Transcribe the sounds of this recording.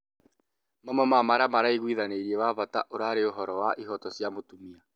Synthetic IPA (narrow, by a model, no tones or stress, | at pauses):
mamwɛmamaɾamaɾaiɣwiðaneiɾiewaβata̰ʔoɾaːɾeoɦɔɾɔwaʔiɦɔtɔsjamotumia